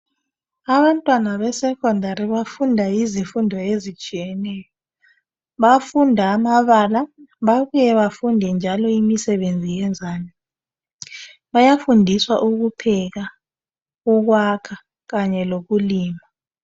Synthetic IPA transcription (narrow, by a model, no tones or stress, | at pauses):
aβantʼwanaβɛsɛkʰʼɔndʱaɾiβafundʱaizifundʱɔezit͡ʃʼijɛnɛːjɔ | ɓafundʱaːmaβalaɓaɓujɛβafundʱɛnd͡ʒʱalɔimisɛɓend͡zʱijɛnd͡zʱaːni | ɓajafundʱiswa̰ʔuk̬upʰɛk̬a | uk̬wakʰa | k̬aɲɛlok̬uliːma